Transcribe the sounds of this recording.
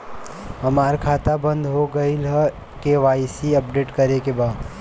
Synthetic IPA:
ɦəmaːɾkʰaːt̪abə̃nd̪ʱɦoɡəilɦ | keʋaːisiəpɖeːʈkəɾekebaːd̪

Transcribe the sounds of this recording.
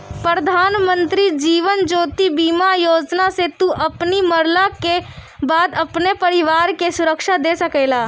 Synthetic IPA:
pɾəd̪ʱaːnmə̃nt̪ɾid͡ʒiːʋənd͡ʒoːt̪ibiːmajoːd͡ʒnaset̪uʔɐpniməɾlake | baːd̪ɐpnepəɾɪʋaːɾkesʊɾəkʃad̪esəkeːla

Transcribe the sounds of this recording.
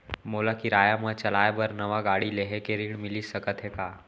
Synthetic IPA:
moːlakiɾaːjamãt͡ʃɐlaːebɐɾnɐʋaɡaːɽileɦekeɾiɽmɪlisɐkət̪ɦekaː

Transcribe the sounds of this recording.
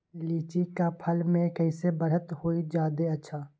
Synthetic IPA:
liːt͡ʃikapʰəlmẽkəɪsebəɾɦət̪hoːid͡ʒaːd̪eɐtːʃʰaː

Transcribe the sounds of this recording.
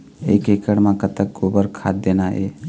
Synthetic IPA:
ḛːkekəɽmãkət̪ək̚ɡoːbəɾkʰa̰ːd̪̚d̪eːnaɦḛː

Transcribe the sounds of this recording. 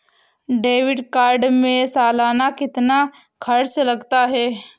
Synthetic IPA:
ɖeːʋɪɖkaːɾɖmẽsaːlaːnakɪt̪nakʰɐɾslɐɡt̪aɦɛː

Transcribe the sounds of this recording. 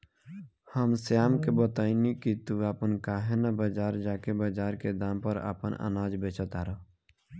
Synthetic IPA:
həmsjaːmkebət̪aːinikit̪uaːpənkaːɦenabəd͡ʒaːɾd͡ʒaːkebəd͡ʒaːɾked̪ãːmpəɾa̰ːpənə̰naːd͡ʒbeːt͡ʃʰət̪aːɾə

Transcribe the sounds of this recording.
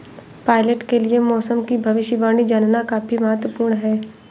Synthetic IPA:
paːɪleʈkeliemɔːsəmkibʱɐʋɪʃəʋaːɽ̃id͡ʒannakapimɐɦət̪ʋəpuːɾɳɦɛː

